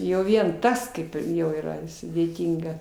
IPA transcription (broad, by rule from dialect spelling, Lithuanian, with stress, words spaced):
jɛʊ ˈʋʲiɛn ˈtɐs kɐɪp ˈjɛʊ iːˈrɐ sʊdʲeːˈtʲiːŋɡɐ